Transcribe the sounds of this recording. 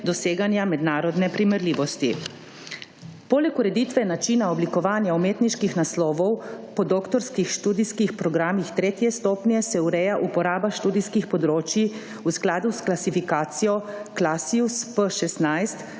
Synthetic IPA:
d̪ɔseːɡanjamɛd̪naːɾɔd̪nɛpɾimɛɾliːʋɔst̪i | poːlɛkuɾɛd̪it̪ʋɛnat͡ʃiːnaɔblikɔʋaːnjaumeːt̪niʃkixnaslɔːʋɔwpɔd̪oːkt̪ɔɾskixʃt̪uːd̪iskixpɾɔɡɾaːmixt̪ɾeːt̪jɛst̪oːpnjɛsɛuɾɛjaʔupɔɾaːbaʃt̪uːd̪iskixpɔd̪ɾoːt͡ʃji | usklaːd̪usklasifikaːt̪sijɔklasiuspəʃɛst̪najst̪

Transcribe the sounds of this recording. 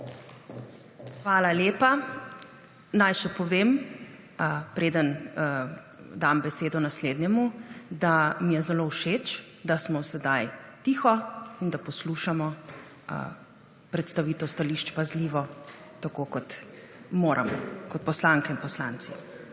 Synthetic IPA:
xʋaːlaljeːpa | najʃɛpɔʋeːm | pɾeːd̪ən | d̪ambɛseːd̪ɔnasleːd̪njɛmud̪amijɛzɛlowʃet͡ʃd̪asmɔsɛd̪ajt̪iːxɔind̪apɔsluʃamɔ̰ | pɾɛt̪st̪aʋit̪ɔwst̪aliʃt͡ʃpazliːʋɔt̪akokɔt̪moːɾʔa̰mɔ̰kɔt̪̚pɔslaŋkɛinpɔslaːnt̪si

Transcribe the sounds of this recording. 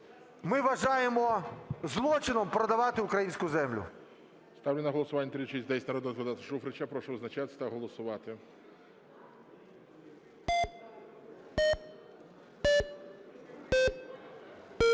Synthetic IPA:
mɪʋɐʒɑjemɔzlˠɔt͡ʃɪnɔmpɾɐd̪ɐʋɑt̪ɪʊkɾɐjinʲsʲkʊzɛmlʲʊ̰ | st̪ɑwlʲɪnɐɦɔlˠɔsʊʋanʲːɐt̪ɾʲit͡ʃezʲd̪ɛsʲnɐɾɔd̪ɔzʋɐd̪at̪ɪ̥ʃufɾɪt͡ʃapɾɔʃɔʋznɐt͡ʃat̪ɪsʲt̪ɐɦɔlˠɔsʊʋɑt̪ɪ

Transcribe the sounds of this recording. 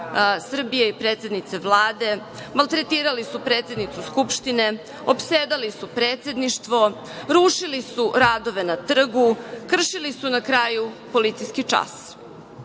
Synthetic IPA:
sr̩bijeipɾet̪sed̪nit̪se̞ʋlˠaːd̪e̞ | malˠt̪ɾet̪iːɾalisupɾe̞t̪sed̪nit̪suskupʃt̪ine̞ | opseːd̪alisupɾeːt̪se̞d̪niʃt̪ʋo | ɾuʃilisuɾaːd̪o̞ʋe̞nat̪r̩ɡukr̩ʃilisunakɾaːjupo̞lit̪sijskit͡ʂa̰s

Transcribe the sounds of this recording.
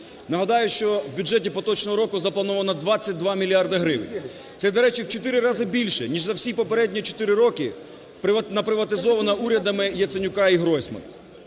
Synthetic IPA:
nɐɦɐd̪ɑjʊʃt͡ʃɔwbʲʊd͡ʒɛtʲipɔt̪ɔt͡ʃnɔɦɔɾɔkʊzɐplˠɐnɔʋɐnɐd̪ʋɑt͡sʲːɐt̚ʲd̪ʋɑmʲilʲiɑrd̪ɐɦɾɪʋɪ̰nʲ | t̪sɛd̪ɔɾɛt͡ʃiwt͡ʃɔt̪ɪɾɪɾɑzɪbʲilʲʃɛnʲiʒzɐwsʲipɔpeɾɛdʲnʲit͡ʃɔ̥t̪ɪɾɪɾɔkɪ | pɪnɐpɾɪʋɐt̪ɪzɔʋɐnɐuɾʲɐd̪ɐmɪjɐt̪senʲʊkɑiɦɾɔjsʲmɐ̰n

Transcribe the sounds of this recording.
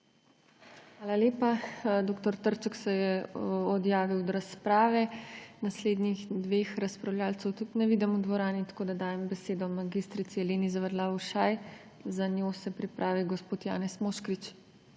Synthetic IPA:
xʋaːlaleːpad̪oːkt̪ɔɾt̪əɾt͡ʃəksɛjɛɔd̪jaːʋiwd̪ɾaspɾaːʋɛnasleːd̪nixd̪ʋeːxɾaspɾawljaːlt̪sɛwt̪ut̪nɛʋid̪ɛmud̪ʋɔɾaːnit̪ḁkoːd̪ad̪aːjɛmbɛseːd̪ɔmaɡist̪ɾit̪siɛleːnizaʋɛɾlauʃaj | zanjoːsɛpɾipɾʔaːʋiɡɔspoːt̪ja̰ːnɛsmoːʃkɾit͡ʃ

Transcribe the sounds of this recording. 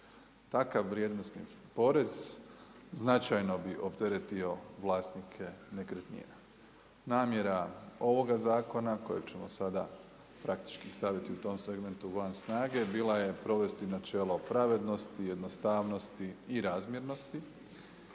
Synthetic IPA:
t̪akaʋːɾje̞d̪no̞snḭpo̞ɾe̞z | znat͡ʃajno̞biʔopd̪eɾet̪io̞ʋlˠaːst̪nikʰe̞nekɾet̪nḭje | naːmje̞ɾao̞ʋo̞ɡazaːko̞nako̞jebt͡ɕe̞mo̰sad̪a̰ | pɾakt̪i̥t͡ʃkist̪aʋit̪iut̪o̞mse̞ɡme̞nt̪uʋansnaːɡe̞biːlaje̞pɾo̞ʋe̞st̪inat͡ʃe̞ːlˠo̞pɾaʋe̞d̪no̞st̪ije̞d̪nost̪aːʋno̞st̪iːɾazmje̞ɾno̞st̪i

